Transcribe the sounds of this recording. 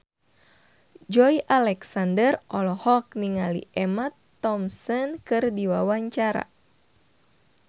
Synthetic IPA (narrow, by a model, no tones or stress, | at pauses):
d͡ʒɔjʔalɛksandərʔɔlɔhɔk̚niŋalḭʔɛmat̪ːɔmsɔnkɨrdiwawaɲt͡ʃaɾa̰